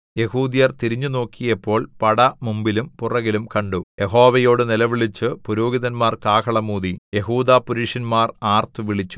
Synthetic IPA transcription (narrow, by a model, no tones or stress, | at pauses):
je̞huːd̪ijɐrt̪iɾiɲːuno̞ːkʰːijɐpːo̞ːɭpɐɽɐmumbilumpurɐɣilumkɐɳɖujʔe̞ɦo̞ːʋɐjo̞ːɽɨnilɐʋiɭit͡ɕːɨpuɾo̞ːɡiðɐnmaːrkaːkʰɐɭɐmuːðije̞ɦuːd̪aːpuɾiʂɐnmaːraːrt̪uʋiɭit͡ɕːu̥